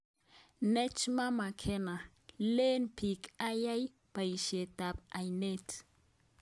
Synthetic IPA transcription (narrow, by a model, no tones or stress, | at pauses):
net͡ʃmamakʰena | lenpikajaj | pajʃet̪apajnet